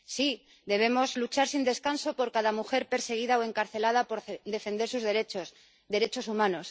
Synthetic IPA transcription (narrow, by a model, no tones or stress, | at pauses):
si | d̪e̞β̞e̞mo̞zlut͡ʃaɾsind̪e̞skanso̞po̞ɾkaðamuxe̞ɾpe̞ɾse̞ɣ̞iðaoe̞ŋkaɾθe̞lað̞apoɾd̪e̞fe̞nd̪e̞ɾsuzðeɾet͡ʃos | d̪e̞ɾe̞t͡ʃo̞sumãno̞s